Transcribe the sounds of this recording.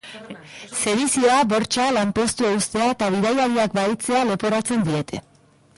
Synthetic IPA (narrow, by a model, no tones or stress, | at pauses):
se̞ðisio̞abo̞ɾt͡ʃalampo̞st̪ueust̪e̞aet̪aβ̞iðajaɾiakbait͡se̞alo̞po̞ɾat͡se̞nd̪ie̞t̪e̞